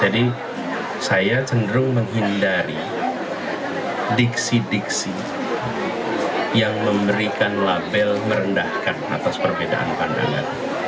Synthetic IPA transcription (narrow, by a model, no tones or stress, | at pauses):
d͡ʒadi | sajat͡ʃəndəɾʊŋməŋɦindaɾi | diksidiksi | jaŋməmbəɾikanlabɛlməɾəndahkana̰t̪aspərbeda̰ʔa̰npanda̰ŋɡa̰ɾa